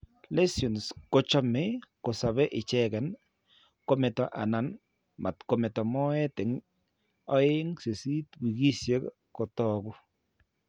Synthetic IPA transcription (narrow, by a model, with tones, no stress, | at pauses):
lɛ˦sjo˨nsko˦t͡ʃɔ˦mɪ˦ko˨sa˨βɛ˦ʔɪ˨t͡ʃɛɡɛ˨n | kɔ˦mɛ˨tɔ˨ʔa̰˨na˨n | ma˨t̪kɔ˨mɛ˨tɔ˨mɔ˦ɛ˦tɪ˨ŋ | ɔ˦e˦ŋse˨si˦twi˨ɡi˦sje˦k | kɔ˨tɔɡʊ˦